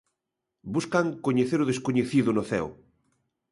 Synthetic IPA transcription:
buskaŋkoɲeθeɾʊð̞eskoɲeθiðʊnʊθɛ̰w

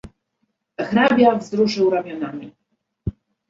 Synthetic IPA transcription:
xɾabʲjavzɾuʂɘwɾamʲjɔnamʲi

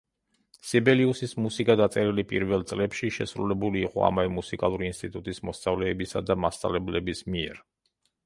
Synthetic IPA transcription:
sibɛliusismusikʼad̪at̪sʼɛɾilipʼḭɾvɛlˠt̪sʼlɛpʃiʃɛsɾulɛbuliːqʼɔ̰a̰mavɛmusikʼalˠuɾiːnst̪ʼit̪ʼut̪ʼismɔst̪sʼavlɛːbisad̪amast̪ʼa̰lɛblɛbismiɛ̰ɾ

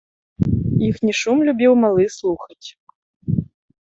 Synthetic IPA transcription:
ixnʲɛʃumlʲubʲiwmalˠɨslˠuxɐt͡sʲ

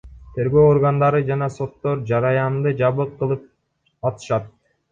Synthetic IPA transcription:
t̪ʰe̞ɾɡø̞o̞ɾɡand̪ɑɾɯd͡ʒɑnɑso̞t̪ːo̞ɾd͡ʒɑɾɑjɑmd̪ɯd͡ʒɑβɯqːɯlˠɯp̚ | ɑt̪ɯ̥ʃɑt̪̚

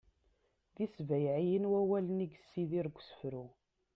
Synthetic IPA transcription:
ðisvæjʕijənwæwæləniɡsːiðiɾɡʷːsə̥fɾu

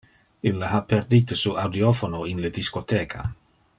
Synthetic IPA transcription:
ilːaɦaperd̪iːt̪esuːʔawd̪iofonoinled̪iskot̪eːkʰa̰

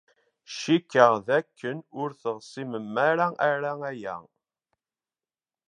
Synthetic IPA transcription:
ʃikːəʁðækːənʊɾθəʁsˤiməmːæɾæʔæɾææjæ̰

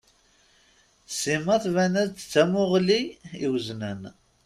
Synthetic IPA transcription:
simɑθvænæzt͡st͡sːæmʊʁliiwznən

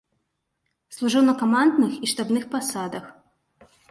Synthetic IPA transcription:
slˠuʐɨwnɐkɔmand̪nɨxiʂt̪abnɨxpasad̪ɐx

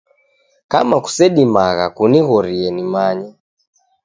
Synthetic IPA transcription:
kamaku̥sɛɗimaɣa̰kuniɣɔɾiɛnimaɲɛ

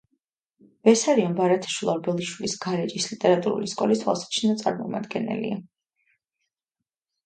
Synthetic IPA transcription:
b̥ɛsaɾiɔnbaɾat̪ʰḁʃwilˠɔɾbɛlˠiʃwilisɡaɾɛd͡ʒislit̪ʼɛɾat̪ʼuɾṵliskʼɔliswa̰lˠsḁt͡ʃʰinat̪sʼa̰ɾmɔma̰d̪ɡɛnɛ̰lḭa

